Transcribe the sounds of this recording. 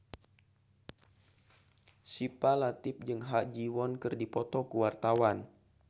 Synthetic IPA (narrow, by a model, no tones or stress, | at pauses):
sipalat̪ɪp̚d͡ʒɨŋɦaʔd͡ʒiwɔnkɨrdipɔt̪ɔkəwart̪awan